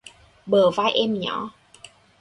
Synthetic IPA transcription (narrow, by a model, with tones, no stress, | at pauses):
ɓəː˨˩vaː˧˥˨jʔɛ˧mɲɔ̰˨˦